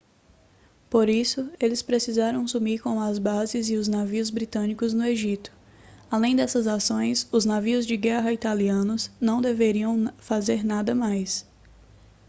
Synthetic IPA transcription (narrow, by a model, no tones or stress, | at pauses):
poɾisʊelɪspɾesizaɾɐ̃w̃sumiɾkõw̃ɐzbazɪzɪʊznaviʊzbɾit̪ɐ̃nikʊznʊeʒit̪ʊ̥ | alẽj̃d̪ɛsɐzasõj̃sʊznaviʊzd͡ʒɪɡɛɦɐit̪aliɐ̃nʊznɐ̃w̃d̪eveɾiɐ̃w̃fazeɾnad̪ɐmajs